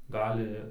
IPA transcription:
ˈɡɑːlʲɪ

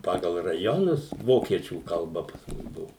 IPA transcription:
ˈpɑːɡɐlˠ rɐˈjoːnʊs ˈʋoːkʲiɛt͡ʃʲuː kɐlˠˈbɐ pɐs ˈmʊs ˈbʊʋʊ

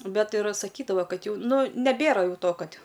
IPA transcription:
ˈbʲɛt ɪr sɐˈkʲiːdɐʋɐ ˈkɐt ˈjɛʊ ˈnʊ nʲɛˈbʲeːrɐ ˈjɛʊ ˈtoː ˈkɐtʲ

